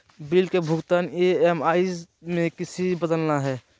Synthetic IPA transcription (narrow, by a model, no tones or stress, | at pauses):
bilkebʱʊɡt̪aːneemaːis | mẽkɪsibəd̪əlnaɦɛː